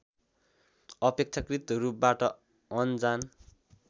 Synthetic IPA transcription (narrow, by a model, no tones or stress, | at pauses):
ʌpek̚t͡sʰakrit̪ʌɾup̚baʈʌ | ʌnd͡zan